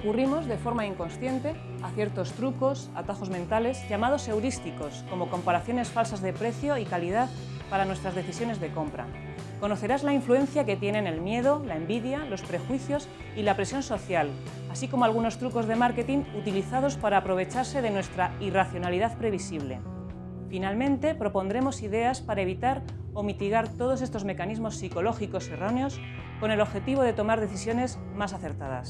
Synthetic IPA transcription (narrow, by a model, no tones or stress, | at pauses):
kurimo̞zðe̞fo̞ɾmaiŋko̞nsθje̞nt̪e̞ | aθje̞ɾt̪o̞st̪ɾuko̞sa̰t̪axo̞zmẽnt̪ale̞zʝamað̞o̞se̞wɾist̪iko̞sko̞mo̞ko̞mpaɾaθjo̞ne̞sfalsazðe̞pɾe̞θjo̞ikalið̞að | paɾanwest̪ɾazðe̞θisjo̞ne̞zðe̞ko̞mpɾa̰ | ko̞no̞θe̞ɾazlaiɱflue̞nθjake̞t̪je̞nẽ̞ne̞lmje̞ðo̞lae̞mbiðjalo̞spɾe̞xwiθjo̞s | ilapɾe̞sjo̞nso̞θjal | asiko̞moalɣ̞uno̞st̪ɾuko̞zðe̞maɾke̞t̪iŋut̪iliθaðo̞spaɾaːpɾo̞β̞e̞t͡ʃaɾse̞ð̞e̞nwe̞st̪ɾairaθjo̞naliðaðpɾe̞β̞isiβ̞le̞̰ | finalmẽ̞nt̪e̞pɾo̞po̞nd̪ɾe̞mo̞siðe̞aspaɾae̞β̞it̪aɾ | o̞mit̪iɣ̞aɾt̪o̞ð̞o̞s̬e̞st̪ozme̞kanizmo̞sːiko̞lo̞xiko̞sero̞neo̞s | ko̞ne̞lo̞βxe̞t̪iβ̞o̞ð̞e̞t̪o̞maɾðe̞θisjo̞ne̞z | masaθe̞ɾt̪aða̰s